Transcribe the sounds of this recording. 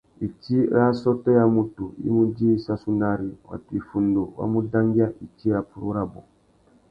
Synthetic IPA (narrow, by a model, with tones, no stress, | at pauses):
i˨ti˦ɾa˦sɔ˦tɔ˦ja˦mu˦tu˨ḭ˦mu˦d͡ʒi˦i˦sa˦su˦na˦ɾi˨wa̰˨tu˨i˨fu˨ndo˨wa̰˦mu˦da˦ŋɡi˦a˦ʔi˨ti˦ɾa˨pu˨ɾu˦ɾa˦bɔ˨